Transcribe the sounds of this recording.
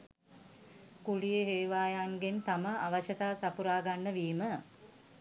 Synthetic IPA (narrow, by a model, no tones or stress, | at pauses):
kulijeɦeːʋaːjaŋɡent̪aməʔaʋəʃət̪aːsapuɾaːɡanːəʋiːmə